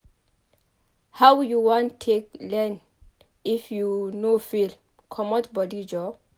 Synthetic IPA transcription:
hawjuwɔ̃ntʰek̚lɛ̃n | ifjunofil | kʰɔmɔtbɔdid͡ʒɔ

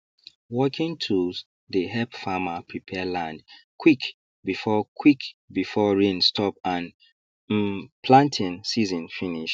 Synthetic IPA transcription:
wɔkʰĩŋtʰu | ðəɦɛpfamapʰɹipʰɛlãndkʰwik | bifɔkʰwikbifɔɹĩnstʰɔp̚ãn̩ | pʰlãntʰĩnsizɔ̃nfiniʃ

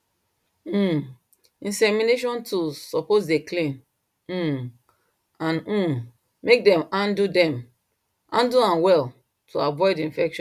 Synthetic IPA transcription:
ĩnsɛmineʃɔ̃ntʰusɔpozdeklẽn̩ | ãn̩ | mek̚dɛ̃mãndudɛ̃m | ʔãnduãnwɛl | tʰuavɔɪdĩnfɛkʃɔ̃n

